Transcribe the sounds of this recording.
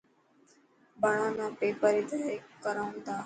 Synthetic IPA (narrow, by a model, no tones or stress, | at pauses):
bəɳãːnãːpeːpəɾid̪ekkːəɾaːʊ̃nd̪aː